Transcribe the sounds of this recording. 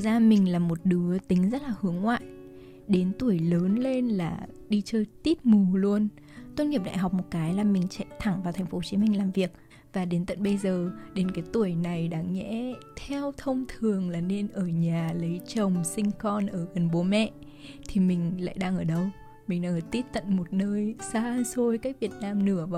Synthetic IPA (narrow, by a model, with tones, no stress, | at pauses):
ɨː˨˩k̚zaː˧mï˨˩ŋ̟laː˨˩mo˨˩t̚ɗɨ˨˦ət̪ï˨˦ŋ̟zə˦˥t̚laː˨˩hɨ˨˦əŋːwa̰ː˧˨j | ɗe˨˦nt̪u˧˩əjləː˨˦nle˧nlaː˨˩ɗi˧t͡ɕəː˧jt̪i˦˥t̚mu˨˩lu˧ən | t̪wə˧nŋi˨˩p̚ɗa̰ː˧˨jɦa˨˩k͡p̚mo˨˩t̚kaː˨˦jlaː˨˩mï˨˩ŋ̟t͡ɕa̰˧˨t̪ʰa˧˩ŋvaː˨˩t̪ʰɛ˨˩ŋ̟fo˨˦o˦˧t͡ɕi˨˦mï˧ŋ̟laː˨˩mvi˨˩ək̚ | vaː˨˩ɗe˨˦nt̪ə̰˧˨nɓə˧jzəː˨˩ɗe˨˦nkaː˨˦jt̪u˧˩əjna˨˩jɗaː˨˦ŋːɛ̰˧˥t̪ʰɛ˧wt̪ʰə˧wŋ͡mt̪ʰɨ˨˩əŋlaː˨˩ne˧nʔəː˧˩ɲaː˨˩lə˨˦jt͡ɕə˨˩wŋ͡msï˧ŋ̟xɔ˧nʔəː˧˩ɣə˨˩nɓo˨˦mɛ̰˧˨ | t̪ʰi˨˩mï˨˩ŋ̟la̰ː˧˨jɗaː˧ŋʔəː˧˩ɗə˧w | mï˨˩ŋ̟ɗaː˧ŋʔəː˧˩t̪i˦˥t̚t̪ə̰˧˨nmo˨˩t̚nəː˧jsaː˧so˧jkaː˦˥k̚vi˨˩ət̚naː˧mnɨ˧˩əv